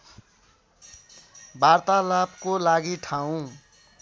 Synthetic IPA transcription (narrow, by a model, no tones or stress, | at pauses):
baɾt̪alapkolaɡiʈʰaw̃